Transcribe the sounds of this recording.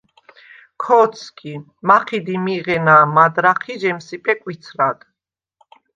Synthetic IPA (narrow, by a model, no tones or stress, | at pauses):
kʰɔt̪sʰkʰʼi | maχid̪imiʁɛnaːmad̪ɾaχiʒɛmsipʼɛkʼwit̪sʰɾad̪̥